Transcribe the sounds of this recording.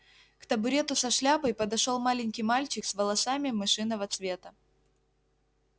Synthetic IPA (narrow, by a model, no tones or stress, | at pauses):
kt̪əbʊɾʲe̞t̪ʊsɐʂlʲabəjpəd̪ɐʂolˠmalʲɪnʲkʲijmalʲt͡ɕɪksvəlˠɐsamʲɪmɨʂɨnːəvɐt̪svʲe̞t̪ə